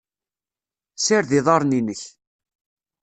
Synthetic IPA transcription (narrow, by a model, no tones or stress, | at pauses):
sɪɾðɪðˤɑɾˤninəç